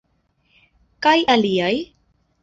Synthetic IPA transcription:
kajʔaliaj

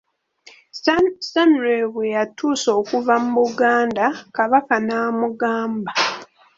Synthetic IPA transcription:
samuɾeβwejatʰuːso̞ːkuvamuβuɡaːndakaβakanaːmuɡaːmba

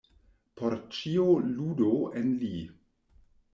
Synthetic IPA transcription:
pʰoɾt͡ʃioludoenli

